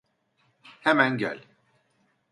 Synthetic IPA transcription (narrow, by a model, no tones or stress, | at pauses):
hɛmænɟœ̰lʲ